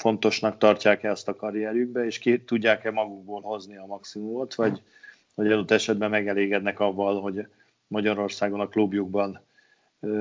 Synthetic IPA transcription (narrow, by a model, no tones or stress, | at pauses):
fo̞nt̪o̞ʃnɒkt̪ɒrcaːkɛɒst̪ɒkɒɾijɛɾyɡ̚bɛeːʃkit̪uɟːaːkɛmɒɡuɡ̚boːlho̞zniɒmɒksimumo̞t̪ʋɒɟ | ho̞ɟɒd̪ot̪ːɛʃɛd̪̚bɛmːɛɡɛleːɡɛd̪nɛkɒvːɒlɦo̞ɟ | mɒɟɒɾo̞rsaːɡo̞nɒklubjuɡbɒn